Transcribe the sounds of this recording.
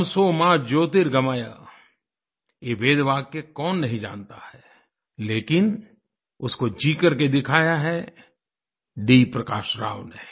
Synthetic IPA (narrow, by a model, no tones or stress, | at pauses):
soːmaːd͡ʒoːt̪̬ɪɾɡɐmaːja̰ | jeʋeːd̪ʋaːɡ̚kekɔːnːɐɦĩd͡ʒa̰ːnt̪ahɛ | leːkɪn | ʊskod͡ʒiːkəɾked̪ɪkʰaːjaɦɛ | ɖiːpɾɐkaːʃɾa̰ːʋneː